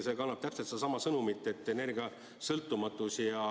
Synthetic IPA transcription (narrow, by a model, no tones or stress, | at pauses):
se̞ːkɑnːɑb̥̚t̪æpset̪sed̥̪ɑsɑmɑsɤnumit̪ːˑe̞t̪ːˑe̞ne̞rɡ̥iɑ | sɤlt̪ːˑumɑt̪ːˑusiɑ